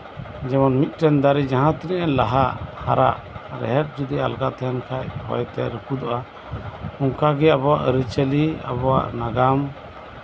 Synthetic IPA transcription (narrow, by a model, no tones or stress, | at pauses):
d͡ʒɛmɔnmit̪̚ˀʈɛnd̪aɾid͡ʒaɦãt̪iɾiʔɛnlaɦaha̰ɾa̰ʔ | ɾɛ̰ɦɛp̚d͡ʒud̪ia̰lɡat̪ɛɛnkʰajpɔ̰jt̪ɛ̰ɾəkud̪ɔʔa | uŋkaɡɛabɔwaʔɾət͡ʃəlia̰bɔwa̰ʔnaɡam